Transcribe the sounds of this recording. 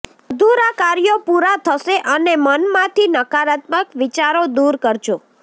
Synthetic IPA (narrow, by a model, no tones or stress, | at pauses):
d̪uɾakaɾjopuɾat̪ʰəʃeʔənemənmãt̪ʰinəkaɾat̪məkʋɪt͡ʃaɾod̪uɾkəɾd͡ʒũ